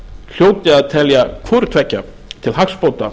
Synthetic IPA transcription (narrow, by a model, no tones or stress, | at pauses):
l̥joːwt̪ɪaðt̪ʰɛljakʰɔɾt̪ʰvɛcːa | t̪ʰɪlɦakspoːwt̪a